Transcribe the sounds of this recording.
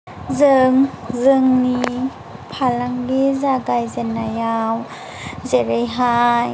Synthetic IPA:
zɯŋzɯŋni | pʰalaŋlezaɡajzenːajaw | zeɾejɦaj

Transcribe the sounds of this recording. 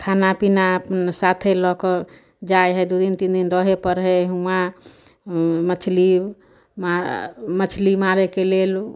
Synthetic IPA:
kʰanapinapnsat̪ʰelɔkɔ | d͡ʒajɦəjd̪ud̪int̪ind̪inɾəɦepəɾɦɛɦua | mət͡ʃʰli | mamət͡ʃʰlimaɾɛkelel

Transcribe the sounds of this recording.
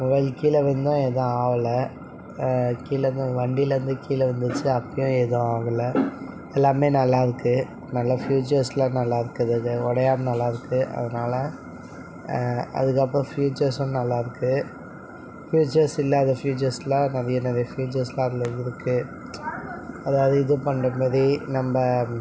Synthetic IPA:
mʊʋɐɪlkiːlɐʋɐnd̪ʊ̃ɛðɐ̃aːʋɐlɐ | kiːlɐnd̪ɯʋɐɳɖilɾɯnd̪ɯkiːlɐʋɐnd̪ɯt͡ʃːɯɐpːɐjʊ̃ɛðʊ̃aːɡɐlːɐ | ɛlːaːmeːnɐlːaːɪɾɯkːɯ | nɐlːɐfjuːt͡ʃɐɾslãːnɐlːaːɪɾɯkːɐðɐɔɽɐjaːmɐnɐlːaːɪɾɯkːɯʔɐ̰ðɐnaːlɐ | ɐ̰ðɯkːɐp̬ːɾõfjuːt͡ʃɐɾsʊ̃nɐlːaːɪɾɯkːɯ | fjuːt͡ʃɐɾsɪlːaːðɐfjuːt͡ʃɐɾslãːnɐɾɪjɐnɐɾijɐfjuːt͡ʃɐɾslãːɐðɪlɐɪɾɯkːɯ | ɐðaːʋɐðɯɪðɯpɐɳrɐmaːðɾinɐmbɐ

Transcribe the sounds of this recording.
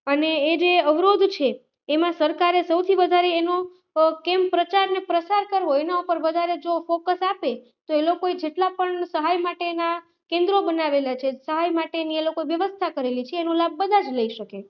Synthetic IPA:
əneːd͡ʒeəʋɾod̪ʱt͡ʃʰeː | mãsəɾkaɾesəwt̪ʰiʋəd̪ʱaɾeːno | kempɾət͡ʃaɾnepɾəsaɾkəɾʋoenaupəɾʋəd̪ʱaɾed͡ʒofokəsape | t̪oelokoed͡ʒeʈlapəɳsəɦajmaʈena | kẽnd̪ɾobənaʋelat͡ʃʰesəɦajmaʈenielokoeʋjəʋəst̪ʰakəɾelit͡ʃʰeːnolab̚ːəd̪ʱad͡ʒləiʃəke

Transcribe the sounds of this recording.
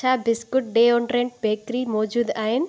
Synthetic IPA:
abɪskʊʈ̚ɖeːɔ̃ːɳɖɾẽɳʈ̚bʱeːkɾimɔːd͡ʒuːd̪aːɦɪnɪ̆

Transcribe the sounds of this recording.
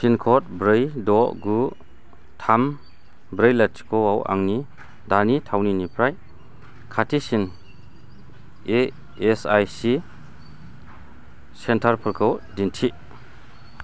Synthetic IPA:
sinkʰɔt̚bɾɯjdɔʔɡu | tʰam | bɾɯjlat̚t͡ʃi̥kʰɔwawʔa̰ŋni | danitʰawninipʰɾaj | kʰatʰisin | e | esajsi | sentʰaɾpʰɯɾkʰɯwdintʰi

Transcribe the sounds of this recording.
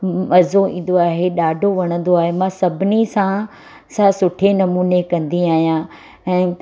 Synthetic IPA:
mɐzoĩːn̆d̪oaːɦeɗaːɖʱoʋɐɽ̃ə̃n̆d̪oaːɦemãsɐbʱɪnisã | sãsʊʈʰenɐmuːnekɐ̃nd̪iaːɦijã | ɛ̃ː

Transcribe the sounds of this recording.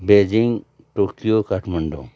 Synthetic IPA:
beːd͡ʒiŋ | ʈokijokaʈʰməɳɖõ̰ː

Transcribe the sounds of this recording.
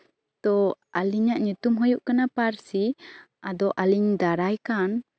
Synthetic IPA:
t̪ɔʔaliɲaʔɲut̪umɦɔjuʔkanapaɾsi | ad̪ɔʔaliɲd̪aɾajkan

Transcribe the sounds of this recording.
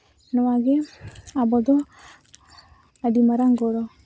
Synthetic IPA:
nɔwaɡeabɔd̪ɔ | adimaɾaŋɡɔɾɔ

